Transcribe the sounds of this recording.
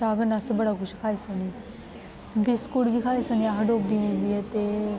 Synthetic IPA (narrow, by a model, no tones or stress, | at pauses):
aɡənasəbəɽakuɕikʰajsani | bʱiskuɽbikʰajsaniaɦɖobimubijet̪e